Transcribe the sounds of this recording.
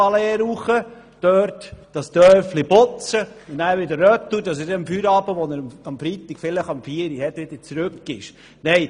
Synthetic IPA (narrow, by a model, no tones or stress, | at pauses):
ɑlɛːɾuχə | d̥øːɾtd̥ɑst̪œːflibot͡sənæːɾʋɪd̪əɾːœt̪udɑs̬ɪdɛmfyɾɑːbəʋɔnəɾɑmfɾit̪ikfɪləχɑmfiəɾihɛtʋɪd̥̪əɾt͡sɾʉkɡ̥ɪʃ | neɪ